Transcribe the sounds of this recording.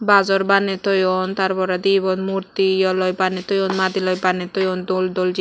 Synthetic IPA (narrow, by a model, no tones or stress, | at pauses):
bazɔɾbanet̪ɔjɔnt̪aɾbɔɾad̪ibɔnmuɾt̪ijɔlɔjbanet̪ɔjɔnmad̪ilɔjbanet̪ɔjɔnd̪old̪old͡ʒi